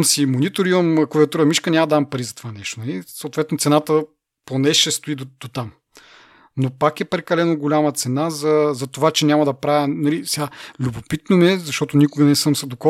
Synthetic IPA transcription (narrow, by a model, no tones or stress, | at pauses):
msimonit̪oɾiomkoviɐt̪uɾɐmiʃkənʲamɐdəd̪ampɐɾizɐt̪o̥vanɛʃt̪onɐlisoːt̪vɛt̪not̪sɛnat̪ə | ponɛʃɛst̪oid̪od̪̥ot̪am | nopakɛpɾɛkɐlɛnoɡolʲamət̪sɛnazɐzɐt̪ovat͡ʃɛnʲamɐd̪ɐpɾavɛnɐlisɛɡalʲubopit̪nomiɛzɐʃt̪ɔt̪onikʊɡənɛsɤmsɐd̪okɔ